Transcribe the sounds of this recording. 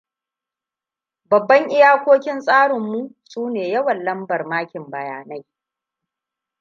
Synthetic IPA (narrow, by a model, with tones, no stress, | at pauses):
bɐ˨bːɐ˦ŋʔɪ˦jaː˦kʷoː˦kʲɪ˦nsʼaː˦ɽɪ˨mːu˦suː˦neː˨jɐ˦wɐ˨nlɐ˦mbɐ˨rmaː˦kʲɪ˨mbɐ˨jaː˨na˦j